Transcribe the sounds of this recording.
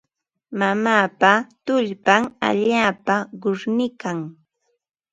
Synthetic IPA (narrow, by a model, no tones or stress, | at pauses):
mamaːpat̪ʊʎpaŋa̰ʎaːpaɢʊɾnɪkaŋ